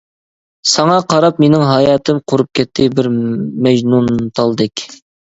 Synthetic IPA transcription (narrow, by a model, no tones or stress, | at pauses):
sɑŋɑqʰɑɾɑpmenɪŋɦɑjɑːt̪ʰɪmqʰoɾup̚kʲɛt̪ʰːɪbɪɾmɛʒnunt̪ʰɑlˠd̪ɨkʲ